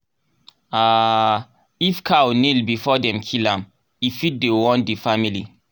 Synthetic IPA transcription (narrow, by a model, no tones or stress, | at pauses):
a | ifkʰawnilbifɔdɛ̃mkʰilãm | ifit̚dewɔ̃ndifamili